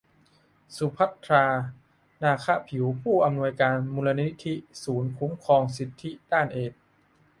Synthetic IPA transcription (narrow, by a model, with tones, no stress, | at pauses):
su˨˦pʰa˦˥t̪ʰːɾaː˧ | naː˧˩kʰa˦˥pʰi˨˩˦wpʰuː˥˩ʔa˧mnu˧əjkaː˧nmuː˧la˧ni˦˥t̪ʰi˦˥suː˩˦nkʰu˦˥mkʰɔː˧ŋsi˨˩t̪ʰːi˦˥daː˥˩nʔeː˨˩t̚